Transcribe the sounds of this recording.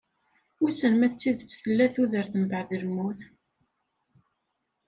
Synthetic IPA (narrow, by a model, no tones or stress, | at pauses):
ʊsənmæt͡sːiðt͡sːθəlːæθuðəɾθəmbəʕðəlmːuθ